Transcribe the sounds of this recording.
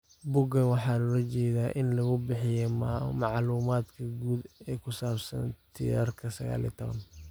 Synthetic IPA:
bʊɡɐnwɑħɑːlɔɾɐt͡ʃɛːðaːʔɪnlɐɣʊbɪħɪjɛmɑʕluːmaːd̪kʰɐɡuːd̪ɛːkʰʊsaːbsɐ̰nt̪ʰḭɾɐrkʰɐsɐɣa̰ːlḭːt̪ʰɔβɐ̰n

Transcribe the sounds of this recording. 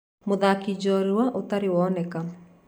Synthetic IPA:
moðakid͡ʒɔɾuwaʔot̪aɾɪwɔnɛka

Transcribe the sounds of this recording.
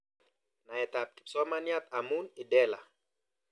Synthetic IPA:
naɛt̪ap̚t̪i̥psɔmanjat̪amunidɛla̰

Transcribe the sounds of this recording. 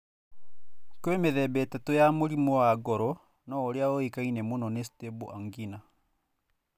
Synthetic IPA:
kwemeðɛbɛtatojamoɾimɔaɡɔɾɔ | nɔoɾeaɔekainɛmonɔnestebuʔaŋɡina

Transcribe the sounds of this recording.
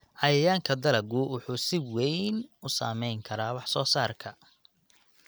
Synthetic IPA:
hɐjɐjaːŋkʰɐd̪ɐlɐɡʊwʊħuːsɪwɛjnʊsa̰ːmɛjŋkʰɐɾaːwɑħsɔːsaːrkʰɐ

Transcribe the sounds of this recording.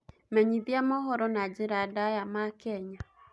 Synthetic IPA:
mɛɲiðjamɔɦɔɾɔnad͡ʒɪɾadajamakɛɲa

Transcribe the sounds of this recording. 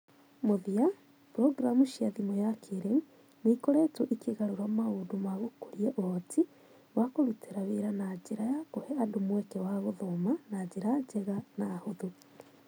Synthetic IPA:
moðia | pɾɔɡɾamuʃiaðimɔjakʰeɾeŋ | neikoɾɛtoʔikeɣaɾoɾamaodomaɣokoɾiɛʔohɔtʰi | wakoɾuteɾaweɾanad͡ʒeɾajakohɛadomwɛkɛwaɣoðomanaɟeɾad͡ʒɛɣanahoðu

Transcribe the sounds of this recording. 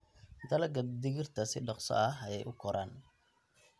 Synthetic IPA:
d̪ɐlɐɡɐd̪ɪɣɪrt̪ʰɐsɪɖɑqsɔ̰ʔɐɦɐjɛjʔʊkʰɔɾaːn

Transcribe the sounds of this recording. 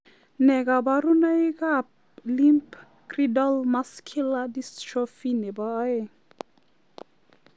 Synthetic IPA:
neɡabaɾunajɡap̚ | limp | kridɔlmaskʰiladist͡ʃʰofinebaːj

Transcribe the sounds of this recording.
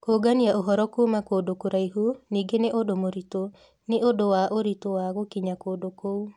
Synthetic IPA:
koɡaniaʔoɦɔɾɔkomakoːdokoɾaiɦuniɡeneʔodomoɾito | neʔodowaʔoɾitowaɣokiɲakodokou

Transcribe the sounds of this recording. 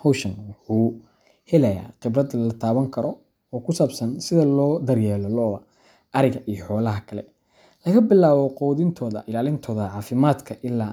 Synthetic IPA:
hɔwʃɐnwʊħuː | hɛlɐja̰ːqɪbrɐd̪ɐlɐt̪ʰaːβɐŋkʰɐɾɔ | ɔːkʰʊsaːbsɐnsɪðɐlɔːd̪ɐrjɛːlɔlɔːɐ | ʔɐɾɪɣɐʔijɔħɔːlɐɦɐkʰɐlɛ̰ | lɐɣɐbɪlːaːβɔqɔːðɪnt̪ʰɔːðɐ̰ʔɪlaːlɪnt̪ʰɔːðɐʕɑːfɪmaːd̪kʰɐʔɪlːaː

